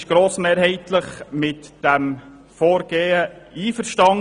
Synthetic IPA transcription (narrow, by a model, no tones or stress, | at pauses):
ʃɡ̥ɾoːsmeːɾhɛɪtləχmɪtd̥æm | fɔːɾɡ̥eːəiːfəɾʃtɑŋ